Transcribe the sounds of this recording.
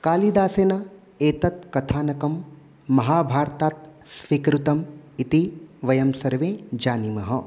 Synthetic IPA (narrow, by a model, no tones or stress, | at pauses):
kaːlid̪aːseːnɐ | eːt̪ɐt̪̚kɐt̪ʰaːnɐkɐmː | ɐɦaːbʱaːɾt̪aːt̪̚ | sʋikɾut̪ɐmit̪iʋɐjɐmsɐɾʋẽːd͡ʒaːnimɐɦɐ